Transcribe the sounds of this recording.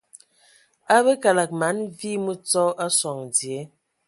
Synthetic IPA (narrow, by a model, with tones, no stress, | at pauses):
a˦bə˦ka˨la˨k̚ma˨˦nvi˦mu˦t͡sɔ˦ʔa˦sɔ˨ŋdje˨˦